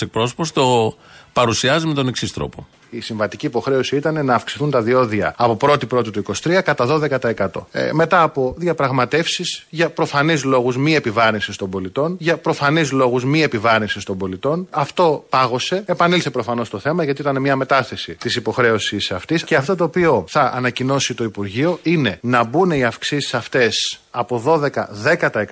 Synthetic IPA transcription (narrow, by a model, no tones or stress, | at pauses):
ek̚pɾo̞so̞post̪o̞ | pɐɾusiɐzime̞t̪o̞neksist̪ɾo̰po | isiɱvɐt̪iciːpo̞xɾe̞osiit̪ɐne̞nɐːfksi̥θunt̪ɐðio̞ðiɐ̰ɐpo̞pɾo̞t̪ipɾo̞t̪it̪uiko̞si̥t̪ɾiɐkɐt̪ɐðo̞ðe̞kɐt̪ɐe̞kɐt̪o̞̰me̞t̪ɐːpo̞ðjɐpɾɐɣmɐt̪e̞fsisʝɐpɾo̞fɐnizlo̞ɣuzmie̞pivɐɾnisist̪ombo̞lit̪o̞nʝɐpɾo̞fɐnizlo̞ɣuzmie̞pivɐɾinsist̪o̞mbo̞lit̪o̞nɐft̪o̞pɐɣo̞se̞epɐnilse̞pɾo̞fɐno̞st̪o̞θe̞mɐʝɐt̪iit̪ɐnemɲɐme̞t̪ɐθe̞sit̪isipo̞xɾe̞o̞sisɐft̪isceɐft̪o̞t̪̬o̞ːpio̞θɐʔːnɐcino̞sit̪o̞ipuɾʝio̞ine̞nɐbune̞iɐfksisi̥sɐft̪e̞sɐpo̞ðo̞ðe̞kɐðe̞kɐt̪ɐek